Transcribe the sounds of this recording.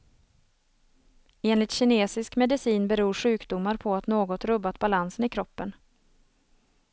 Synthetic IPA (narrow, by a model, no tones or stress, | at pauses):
eːnlɪt̪ɕɪneːsɪskmɛd̪ɪsiːnbɛɾuːɾɧʉ̟ːkd̪ʊmːaɾpʰɔat̪noːɡɔt̪ɾɵbːat̪balansənɪkʰɾɔpːən